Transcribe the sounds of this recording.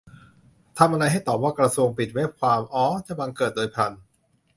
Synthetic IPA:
t̪ʰa˧mʔa˧ɾa˧jɦa˥˩jt̪ɔː˨˩p̚waː˥˩kɾa˧su˧əŋpi˨˩t̪̚weː˦˥˩p̚kʰwaː˧mʔɔː˦˥t͡ɕa˧˩ba˧ŋkɤː˨˩t̪̚doː˧jpʰa˧n

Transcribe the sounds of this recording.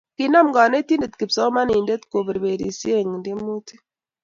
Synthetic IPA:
ki˨na˦mɡa˨ne˦ti˦nde˨t̪ki˨pso˦ma˦niː˨nde˦t̪ko˨βe˨ɾβe˨ɾḭ˨si˦e˦˨ŋ˨nde˦mu˦ti̥˦

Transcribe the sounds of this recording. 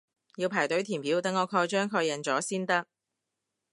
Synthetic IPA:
jiː˧wpʰaː˨˩jt̪ɵ˨˥ɥt̪ʰiː˨˩mpʰiː˨˥wt̪ɐ˨ŋːɔː˨˧kʰɔː˧jt͡ʃœː˥ŋkʰɔː˧jɐ˨˩nt͡sɔː˨˥siː˥nt̪ɐ˥k̚

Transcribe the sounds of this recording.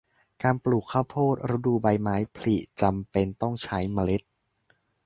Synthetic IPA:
kaː˧npluː˨˩kʰːa˥˩wpʰoː˥˩t̪̚ɾa˦˥duː˧˩ba˧jmaː˦˥jpʰli˨˩ʔt͡ɕa˧mpe˧nt̪ɔ˥˩ŋt͡ɕʰa˦˥jma˧le˦˥t̪̚

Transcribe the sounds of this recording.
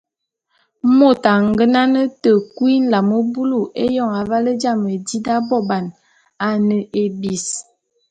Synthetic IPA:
mo˦˨ta˨ŋ˨ɡə˦na˦nə˦tə˨kwi˦n̩˦la˨mo˦bu˦lu˨ʔe˦jɔ˦˨ŋa˨va˦lə˦d͡ʒa˦˨mə˨di˦da˦bɔ˦˨ba˨n | a˨nə˨ʔe˨bi˨s

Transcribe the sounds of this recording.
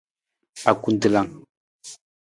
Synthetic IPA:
a˨ku˨n˦dɨ˦˨la˨ŋ

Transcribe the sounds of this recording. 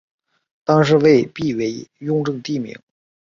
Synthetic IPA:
t̪ɑ˥ŋʂ̬ɻ̩˥˧we˥˧ɪpi˥˩we˧˥ɪjʊ˥˧ŋʈ͡ʂɤ˥˧ŋt̪i˥˩mḭ˧˥ŋ

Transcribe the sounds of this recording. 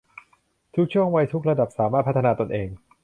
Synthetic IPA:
t̪ʰu˦˥k̚t͡ɕʰu˥˩əŋwa˧jt̪ʰu˦˥k̚ɾa˧da˨˩p̚saː˩˦maː˥˩t̪̚ʰa˦˥t̪ʰːa˧naː˧t̪o˧nʔeː˧ŋ

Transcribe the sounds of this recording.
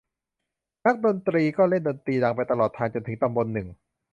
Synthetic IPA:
na˦˥k̚do˧nt̪ɾiː˧kɔː˥˩le˥˩ndo˧nt̪ɾiː˧da˧˩ŋpa˧jt̪a˧lɔː˨˩t̪ʰːaː˧ŋt͡ɕo˧nt̪ʰɯ˩˦ŋt̪a˧mbo˧nːɯ˨˩ŋ

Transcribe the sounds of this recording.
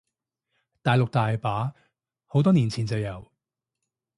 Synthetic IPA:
t̪aː˨jlʊ˨k̚t̪aː˨jpaː˨˥ | ho˨wt̪ɔː˥niː˨˩nt͡sʰiː˨˩nt͡sɐ˨wjɐ˨˩w

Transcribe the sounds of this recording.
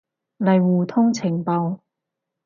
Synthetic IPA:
lɐ˨jwuː˨˩t̪ʰʊ˥ŋt͡sʰɪ˨˩ŋpɐ˨˧w

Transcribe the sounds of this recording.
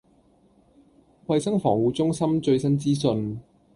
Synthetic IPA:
kwɐ˧jsɐ˥ŋfɔ̰ː˨˩ŋwuː˨˧t͡sʊ˥ŋsɐ˥mt͡ʃɵ˧ɥsɐ˥nt͡siː˥sɵ˧n

